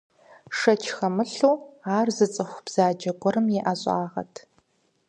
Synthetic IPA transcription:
ʂɐt͡ʃʰxɐmɨɬuːaːrzɨt͡sʼɨxʷb̥z̥aːd͡ʒɐɡʷʼɔɾɨmjɛʔaɕʼa̰ːʁɐ̰tʰ

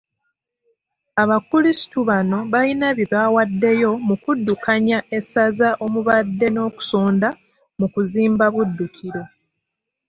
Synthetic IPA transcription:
aβakulisi̥tuβano̞βalinaβiβaːwadːe̞jo̞mukudːukaɲaʔe̞sazaʔo̞muβadːe̞no̞ːku̥so̞ːnda | mukuziːmbaβudːukʰiɾo̞

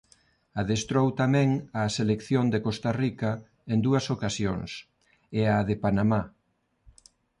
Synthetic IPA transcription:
aðest̪ɾowt̪amɛ̃ŋaselekθjond̪ekost̪arikɐ | end̪uɐsokasjo̰ŋs | eaðepanama

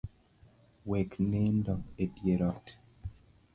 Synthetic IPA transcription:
wɛknendɔedjeɾɔt

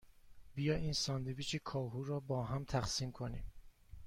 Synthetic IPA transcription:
bijɒːʔiːnsɒːnd̪evit͡ʃʰekʰɒːɦuːɾɒːbɒːɦæmt̪ʰæxsiːmkʰonḭːm

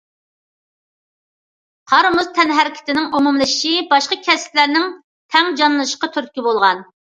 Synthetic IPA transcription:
qʰɑɾmuzt̪ʰɛnɦæɾɪkʲʰɪ̥t̪ɪnɪŋumumlˠɨʃʃibɑʃqɑkʲʰɛsɪ̥plæɾnɪŋ | t̪ʰɛŋd͡ʒɑnlˠɨʃəqɑt̪ʰyɾt̪̚kʲibolˠʁɑn

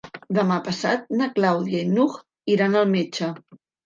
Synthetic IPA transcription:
d̪əmapəsa̰t̪̚nəklawðiəinuɣ | iɾanəlˠmet͡ʃə

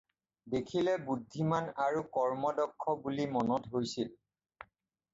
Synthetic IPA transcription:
dekʰilɛbudʱːimanaɹukɔɹmɔdɔkʰːɔbulimɔnɔtɦojsil

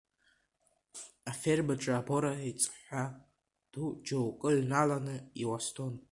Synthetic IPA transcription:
aferbaʈ͡ʂʼaːbo̞ɾaet͡sʼħʷa | d̥ud͡ʒowkʼɨlnalanɨiwastʰon

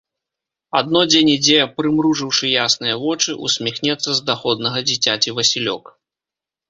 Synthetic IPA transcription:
ad̪nɔd͡zʲenʲid͡zʲɛpɾɨmɾuʐɨwʂɨjasnɨjɐvɔt͡ʂɨʔusʲmʲixnʲɛt̪sːɐzd̪axɔd̪̚nɐɣɐd͡zʲit͡sʲat͡sʲivɐsʲilʲɔ̰k

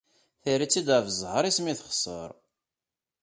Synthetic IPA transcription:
θiɾit͡sːid̪ævəzˤʕəɾismiθəχsˤə̰ɾˤ

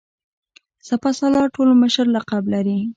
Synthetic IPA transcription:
sapasalɑʈolməʃəɾlaqablaɾi

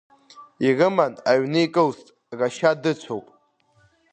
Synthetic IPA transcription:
irɨmanaɥnɨjkʼɨlstʼ | raʃadɨt͡ɕʷʰowpʼ

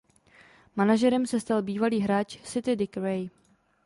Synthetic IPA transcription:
manaʒɛɾɛmsɛst̪albiːvaliːɦɾaːt͡ʃsɪt̪ɪdɪkɾɛj

